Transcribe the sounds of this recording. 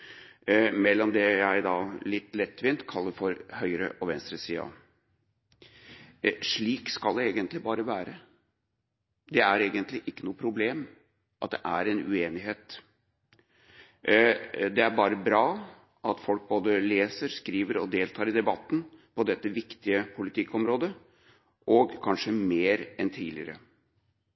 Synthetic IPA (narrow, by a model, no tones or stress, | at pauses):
mɛlːɔmd̪ɛjæɪd̪ɑːlɪt̪ːlɛt̪ːʋɪnt̪kʰɑlːəfɔɾhœʏəɾə̰ʔɔʋɛnst̪ɾəsiːə̰ | ʂɭiːkskɑld̪ɛeːɡənt̪lɪbɑːɾəʋæːɾə | d̪ɛæɾeːɡənt̪lɪʔɪkːənuːəpʰɾʊbleːm | ʔɑt̪̚d̪ɛʔæɾɛnʉ̰eːnɪɦeːt̪ | d̪ɛæɾbɑːɾəbɾɑː | ʔɑt̪fɔlk̚boːd̪əleːsəɾskɾiːʋəɾɔ̰d̪eːlt̪ʰɑːɾɪd̪ɛbɑt̪ːn̩pʰɔd̪ɛt̪ːəʋɪkt̪ɪəpʰʊlɪt̪ʰɪkːɔmɾoːd̪ə | ʔɔɡkʰɑnʂəmeːɾɛnt̪ʰiːlɪ̰əɾə̰